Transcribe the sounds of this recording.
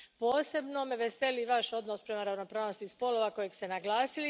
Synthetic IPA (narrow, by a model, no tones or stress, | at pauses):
po̞ːse̞bno̞mʋese̞liʋaʃo̞d̪no̞spɾe̞maɾaʋno̞pɾaːʋnost̪ispo̞lo̞ʋako̞jeɡst̪e̞naɡlˠaːsili